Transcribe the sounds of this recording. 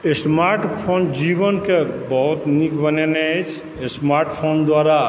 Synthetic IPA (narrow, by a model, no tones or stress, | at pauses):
esmaɾʈpʰond͡ʒibɔnkebɔɦut̪nikbənenet͡ʃʰ | esmaɾʈpʰond̪waɾa